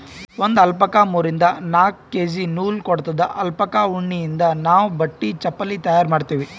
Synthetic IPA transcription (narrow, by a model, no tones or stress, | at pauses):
ʋond̪ɐlpɐkaːmuːɾind̪ɐnaːkːeːd͡ʒinuːlkɔɽt̪ɐd̪ɐʔɐlpɐkaːuɳːijind̪ɐnaːʋubɐʈːit͡ʃɐpːɐlːit̪ɐjaːɾmaːɖt̪iːʋi